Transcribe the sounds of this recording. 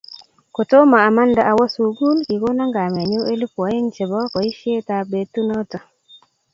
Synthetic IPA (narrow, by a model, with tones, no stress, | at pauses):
ko˨to˦maː˨ma˦nda˨ʔa˨wɔ˦su˨ɡu˦lki˨ko˦na˦ŋɡa˨mɛ˨ɲo˦e˦li˦pɔ˨˦e˦ŋt͡ʃe˨bɔ˦kɔ˨i˦ʃje˦ta˨be˨tu˦nɔ˦tɔ˨